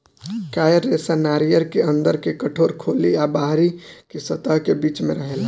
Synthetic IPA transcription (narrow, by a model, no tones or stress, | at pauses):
kajəɾːesanaɾijəɾkeə̃nd̪əɾkekəʈʰoːɾkʰoːliabaɦɾikesət̪əɦkebiːt͡ʃmẽɾəɦel